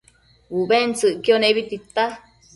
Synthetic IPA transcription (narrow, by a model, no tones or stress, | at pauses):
wuʔbent͡sɨʔkioneβit̪it̪ːa